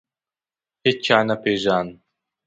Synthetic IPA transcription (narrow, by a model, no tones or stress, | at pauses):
het͡ʃːaːnapeʒaːn